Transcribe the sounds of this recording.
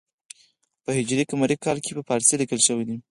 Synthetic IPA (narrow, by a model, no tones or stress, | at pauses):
pəhɪd͡ʒɾikamaɾikɑlkʰepəpɑɾselikəlʃəwid̪i